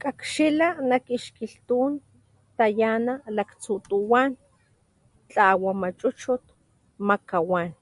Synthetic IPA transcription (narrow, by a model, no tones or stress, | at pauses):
kakʃilanakiʃkiɬt̪uːn | t̪ajanalakt͡sut̪uwan | t͡ɬaːwamat͡ʃʼut͡ʃut̪̚ | makawan